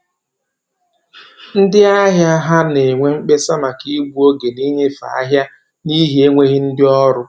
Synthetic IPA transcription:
n̩˦dɪ˦a˦ɦja˦ɦa˦ne˨ŋʷe˦ŋ͡m̩˦k͡pe˦sa˦ma˨ki˦bu˦o˦ɡe˨ni˦ɲe˦fa̰˨a˦ɦja˦ | ni˦ɦi˦e˦ŋʷe˦ɣɪ˦n̩˦dɪ˦ɔ˦ɾʊ˦

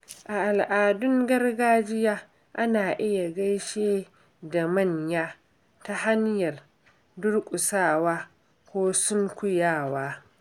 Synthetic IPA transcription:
ʔa˨ʔa˨lʔaː˨dʊ˦ŋɡɐ˦rɡaː˦d͡ʒɪ˦jaː˦ | ʔa˦naː˨ʔɪ˦ja˨ɡɐ˦jʃeː˦ | da˨mɐ˦˨ɲjaː˦ | ta˦ha˦ɲjɐ˨r | dʊ˦rkʷʼʊ˨saː˦˨waː˦ | kʷoː˦sʊ˦ŋkʷʊ˦jaː˦˨waː˦

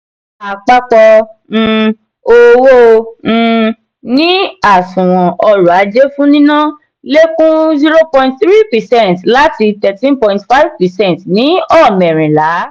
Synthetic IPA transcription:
a˨k͡pa˧k͡pɔ̃˧ | o˧wõ˦˧ | nĩ˦a˨sũ˨w̃ɔ̃˨ʔɔ˧ɾu˨a˨˦d͡ʒe˦fũ˦nĩ˦nã˦ | le˦kũ˦zi˦ɾo˦pɔ̃˧ĩ˦tθɾi˦pɛ˨sɛ̃˦˨ntla˦ti˧tɛ˧tĩ˦npɔ̃˧ĩntfa˦jvpɛ˨sɛ̃˦n˨tnĩ˨˦ɔ˦˨mɛ˨ɾ̃ĩ˨la˨˦

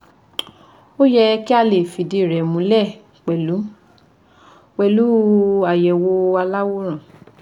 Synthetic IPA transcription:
o˦jɛ˧ki˦a˧le˨fi˨de˧˦˨ɾɛ˨mũ˨˧˦lɛ˦˨ | k͡pɛ˨lu˨˦ | k͡pɛ˧˨lu˨˦a˨jɛ˨wo˧a˧la˦wo˦ɾ̃ã˦˨

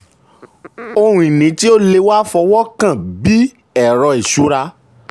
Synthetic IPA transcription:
o˧hũ˧i˨nĩ˨˦ti˦o˦le˧wa˦fɔ˧wɔ˦kã˦˨bi˦ | ɛ˦˨ɾɔ˧e˨ʃu˨˦ɾa˧

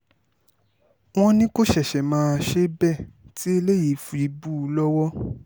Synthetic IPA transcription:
w̃ɔ̃˦nĩ˦ko˦˨ʃɛ˦˨ʃɛ˨mãː˨˦˧ʃe˦bɛ˦˨ti˦e˧le˦ji˨˦fu˧i˨˦bu˦˧˦lɔ˦wɔ˦

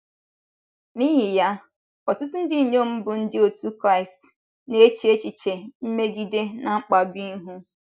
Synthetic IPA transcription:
niː˦ɦɪ˨ja˦ | ɔ˨tʊ˦tʊ˦n̩˦dɪ˦˨ɲo˦m̩˦bʊ˨n̩˦dɪ˦o˨tu˦kɾa˦ɪ˨st | ne˦e˦t͡ʃi˨˦e˦t͡ʃi˨t͡ʃe˨m̩˦me˦ɡi˦de˦na˨ŋ͡m̩˦k͡pa˨bi˦ɦu˦

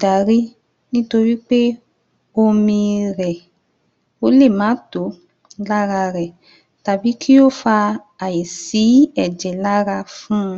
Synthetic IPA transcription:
da˨ɾi˦ | nĩ˦to˧ɾi˦k͡pe˦ | o˧mĩ˧ɾɛ˨ | o˧˦le˦˨mãː˨˦to˨˦ | la˦ɾa˧ɾɛ˨ | ta˨bi˨˦kʰi˦o˦˨fa˧ | a˨ji˨si˨˦ɛ˦˨d͡ʒɛ˨la˦ɾa˧fũ˦˧

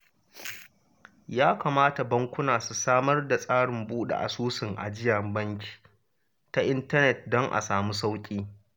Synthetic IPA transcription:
jaː˦kaː˨maː˦ta˨bɐ˦ŋkʷʊ˦naː˨su˨saː˦mɐ˦rda˨sʼaː˦ɽɪ˨mbuː˦ɗḛ˨ʔa̰˨suː˦sɪ˨ŋʔa̰˨d͡ʒɪ˦jɐ˨mbɐ˦ŋkʲi̥ː˨ | ta˦ʔɪ˦ntɐ˦nɛ˨t̚dɔ˦ŋʔa̰˨saː˨mu˦s̬a˦wkʲʼiː˦

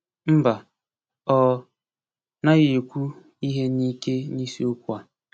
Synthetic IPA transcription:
m̩˦ba˨ | ɔ˨ | na˦ɣe˨kʷu˦ | i˦ɦe˦ni˦ke˦ni˦si˦o˦ku˦a˨

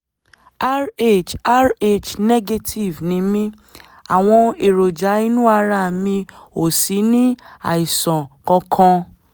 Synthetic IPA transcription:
a˦ɾe˦˨t͡ʃa˦ɾe˦˨t͡ʃnɛ˦ɡe˧tʰi˨vnĩ˨˦mĩ˦ | a˨w̃ɔ̃˧e˨ɾo˨d͡ʒa˨˦i˦nũ˦a˧ɾa˧˨mĩ˧o˨si˨˦nĩ˦a̰˦˨i˨sɔ̃˨kɔ̃˧kʰɔ̃˧

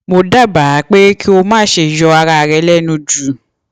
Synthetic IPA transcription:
mo˧da˦˨ba˨˦k͡pe˦kʰi˦o˧mãː˦ʃe˧jɔ˧a˧ɾa˧˨˧ɾɛ˧˦lɛ˦˨nũ˧d͡ʒu˨

